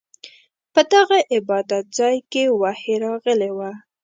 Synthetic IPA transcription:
pəd̪aɣaʔɪbɑd̪at̪̚zɑjkewaheɾɑɣəlewa

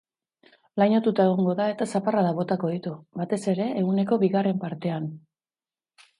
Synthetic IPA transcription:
lajɲo̞t̪ut̪ae̞ɣ̞oŋɡo̞ðae̞t̪asaparaðaβo̞t̪ako̞ðit̪ubat̪e̞se̞ɾe̞ːɣ̞une̞ko̞βiɣare̞mpaɾt̪e̞an

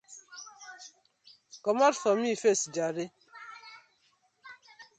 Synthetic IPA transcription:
kɔmatfɔmifesd͡ʒaɾe

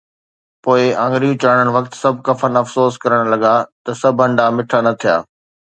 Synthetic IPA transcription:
poːɪãːŋɡɾijũt͡ɕaːɽ̃əɽ̃ʋɐkt̪sɐbʱkɐfənɐfsoːskɐɾəɽ̃lɐɡat̪ɐsɐbʱɐ̃ɳɖamɪʈʰanɐt̪ʰija̰ː

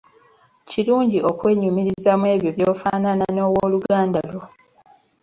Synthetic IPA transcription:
ciluːɲɟiʔo̞kwe̞ːɲumiɾizamwe̞ːβjoβjo̞ːfaːnanano̞ːwoːluɡaːndalo

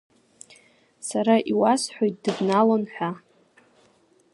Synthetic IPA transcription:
saɾaʔiwasħʷᶣojt̚d̥ɨbnalonħᶣʷa

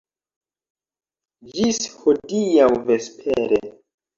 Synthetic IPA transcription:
d͡ʒishodijawvespʰeɾe

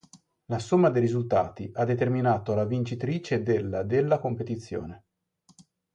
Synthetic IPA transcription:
lasomːad̪ejɾizult̪a̰ːt̪iʔad̪ːet̪erminaːt̪olavint͡ʃit̪ɾiːt͡ʃed̪elːad̪elːakompet̪it̪sːjo̰ːne

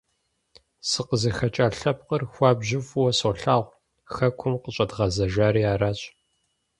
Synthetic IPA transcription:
sɨqəzɐxɐt͡ʃʼaːɬɐp̚qərxʷɑːbʑɪfwɔsoːɬaːʁʷ | xɐkʷʰʊmqəɕʼɐdʁɐzɐʒaːɾiːaːraːɕʼ

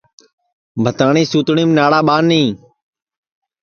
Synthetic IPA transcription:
bʱət̪aːɳĩːsuːt̪ɳiːmnaːɽaːɓaːnːĩː

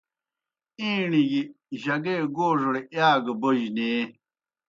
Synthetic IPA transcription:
iːɳiɡi | ʑɐɡeːɡoːʐɽejaːɡɐboʑneː

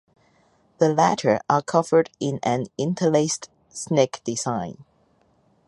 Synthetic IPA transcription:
ðəlæɾʰə˞ʔəkʰʌvə˞ɾɪ̃nɨ̃nɪ̃ntʰəlest | sneɪkd̥ɪzãɪ̃n

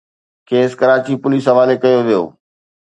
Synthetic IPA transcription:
kʰeːskɐɾaːt͡ɕipʊliːsɦɐʋaːlekɐjoʋijo̰ː

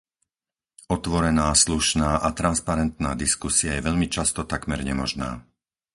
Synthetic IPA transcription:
ɔt̪ʋɔɾɛnaːsluʃnaːʔat̪ɾanspaɾɛnt̪na̰ːd̪iskusiajɛʋɛʎmit͡ʃast̪ɔt̪akmɛɾɲɛmɔʒna̰ː

